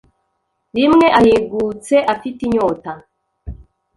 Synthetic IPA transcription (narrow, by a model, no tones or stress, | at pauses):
ɾimŋe̞ʔajeɡut͡se̞ʔafitiɲota